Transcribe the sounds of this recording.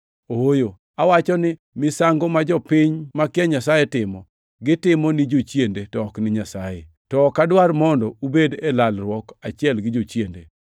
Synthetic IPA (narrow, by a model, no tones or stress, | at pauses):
ojo | awat͡ʃɔnɪ | mɪsaŋɡɔmad͡ʒɔpɪɲmakɪɛɲasajetɪmɔ | ɡɪtɪmɔnɪd͡ʒot͡ʃjendetɔknɪɲasaje | tɔkadwaɾmɔndɔubedelalrwɔkat͡ʃɛlɡɪd͡ʒot͡ʃjendḛ